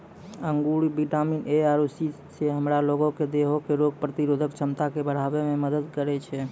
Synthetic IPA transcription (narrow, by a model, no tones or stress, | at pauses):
əŋɡuɽibiʈamineaɾusi | seɦəmɾaloɡõked̪eɦokeɾoɡ̚pɾət̪iɾod̪ʱəkt͡ʃʰəmt̪akebəɽ̤abememəd̪əd̪kəɾɛt͡ʃʰɛ